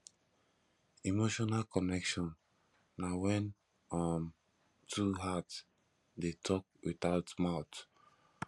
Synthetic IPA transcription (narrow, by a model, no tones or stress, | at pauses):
imoʃɔnalkɔnɛkʃɔ̃nː | awɛ̃n | ɔm | tʰuɦat | detʰɔk̚wiθaʊtmaʊt